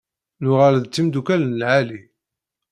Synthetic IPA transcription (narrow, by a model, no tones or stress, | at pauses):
nʊʁalðt͡sːimd̪ukælnəlʕali